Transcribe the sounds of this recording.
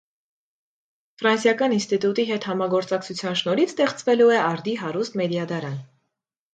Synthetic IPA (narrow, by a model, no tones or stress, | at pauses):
fɾɑnsjɑkɑninst̪it̪ut̪iɦɛt̪hɑmɑɡɔɾt͡sɑkt͡sʰut͡sʰjɑnʃnɔɾit͡sʰt̪ɛχt͡svɛluɛɑɾd̪iɦɑɾust̪mɛd̪jɑd̪ɑɾɑn